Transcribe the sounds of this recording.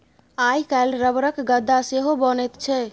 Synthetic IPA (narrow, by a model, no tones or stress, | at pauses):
ajkalɾəbɾəkɡəd̪ʱːaseɦobənɛt̪t͡ʃʰɛ